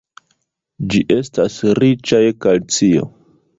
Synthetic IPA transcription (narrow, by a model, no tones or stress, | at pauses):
d͡ʒiʔe̞stasɾit͡ʃajkalt͡sio̰